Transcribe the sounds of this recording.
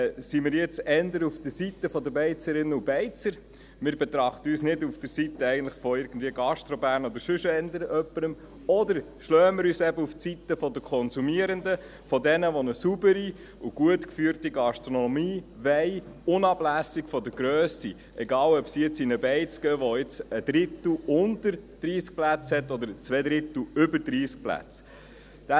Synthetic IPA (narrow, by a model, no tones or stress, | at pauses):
simɪːɾjɛt͡sɛnd̪əɾufd̥əsit̪ːəfɔd̪əbɛɪt͡səɾɪnːəubɛɪt͡səɾ | mɪːɾbɛt̪ɾɑχt̪əyːsnɪdufd̥əɾsit̪əɛɪɡən̩tlɪχfɔɪɾɡən̩dviːəɡɑʃt̪ɾobæːɾnɔd̪əɾʃɵʃəɛndəɾəʔœpːəɾəm | ɔd̪əɾ | ʃløːəmɪɾyːsɛbəuft͡sit̪əfɔd̪əkʰɔnsumiəɾənd̪ə | fɔd̪ɛnəʋonəsubəɾi | uɡ̥uət̪kfyːɾtiɡɑʃtɾɔnɔmiːʋɛɪ | ʊnɑb̥læsikfɔd̪əɡɾøːsi | ʔɛɡɑːlœpsijɪt͡sinəbɛɪt͡sɡ̥ɛːʋɔɪt͡səd̥̪ɾɪt̪l̩ʊntəɾd̥ɾiːsk̚plæt͡shɛt̪ːɔd̪əɾt͡sʋɛd̪ɾɪt̪l̩ʏbəɾd̥ɾiːsk̚plæ̰t͡s | d̪̥æ